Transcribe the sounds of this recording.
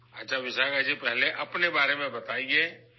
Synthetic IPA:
ɐtːʃʰaʋɪʃakad͡ʒipɛɦleʔɐpnebaːɾemẽbɐt̪aːiɡeː

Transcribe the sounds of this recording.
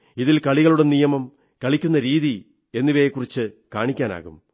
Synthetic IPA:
iðilkɐɭiɣɐɭuɽe̞nijɐmɐm | kɐɭikʲːunːɐɾiːði | e̞nːiʋejekːurit͡ɕːɨkaːɳikʲːaːna̰ːɣṵm

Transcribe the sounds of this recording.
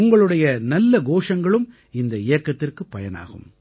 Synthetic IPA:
ʊŋɡɐɭɯɽɐjɐnɐlːɐɡoːʂɐŋɡɐɭɯm | ɪnd̪ɐɪjɐkːɐt̪ːɪrkɯpːɐjɐna̰ːɣɯ̰m

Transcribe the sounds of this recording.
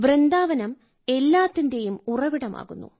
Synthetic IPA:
ʋrend̪aːʋɐnɐm | e̞lːaːt̪ːinde̞jumurɐʋiɽɐma̰ːɣunːṵ

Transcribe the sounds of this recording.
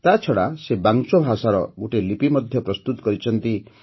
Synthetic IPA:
t̪at͡ʃʰɔɽasebaŋt͡ʃɔbʱasaɾɔ̰ɡuʈelipimɔd̪ʱjɔpɾɔst̪ut̪ɔkɔɾit͡ʃʰɔnt̪i

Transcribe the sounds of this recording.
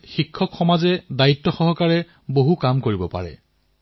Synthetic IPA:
xikʰːɔkxɔmazɛdaitːɔxɔɦɔkaɹɛ | boɦukamkoɹibɔpa̰ɹɛ̰

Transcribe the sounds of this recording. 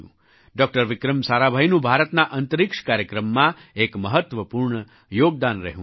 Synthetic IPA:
ṵ̃ | ɖɔk̚ʈəɾʋɪkɾəmsaɾabʱajnũbʱaɾət̪naʔənt̪əɾɪkʂkaɾjəkɾəmːãekməɦət̪ʋəpuɾɳə | joɡ̚d̪anɾəɦũ

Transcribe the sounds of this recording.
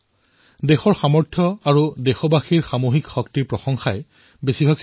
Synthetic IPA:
dexɔɹxamɔɹtʰjɔaɹudexɔbaxiɹxamoɦikxɔktiɹpɹɔxɔŋxaj | besibʱaɡs

